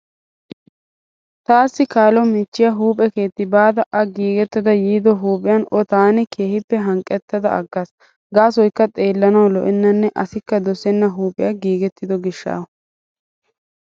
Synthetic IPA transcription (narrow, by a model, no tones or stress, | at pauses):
t̪aːsːɪkaːlɔmɪt͡ʃːɪjɐɦuːpʼɛke̞ːt̪ːɪbaːd̪ɐʔɐɡiːɡɛt̪ːɐd̪ɐjiːd̪ɔɦuːpʼɪjɐnʔɔt̪aːnɛkʰe̞ːhɪpːɛɦɐŋkʼːɛt̪ːɐd̪ɐ̰ʔɐ̰ɡːas | ɡaːs̬ɔjkːɐt̪ʼe̞ːlːɐnɐwlɔʔɪnːɐnːɛʔɐsɪkːɐd̪ɔsɛnːɐɦuːpʼɪjɐɡiːɡɛt̪ːɪd̪ɔɡɪʃːa̰ː